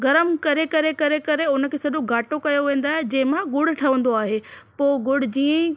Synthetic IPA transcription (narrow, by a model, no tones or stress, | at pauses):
ɡɐɾəmkɐɾekɐɾekɐɾekɐɾeʊnə̆kʰeːsɐɗõɡaːʈokɐjoʋẽːn̆d̪aːɦed͡ʑɐ̃ːɦɪ̃mãɡʊɽ̆ʈʰɐʋə̃nd̪oaːɦepoːɡʊɽ̤d͡ʑiːə̃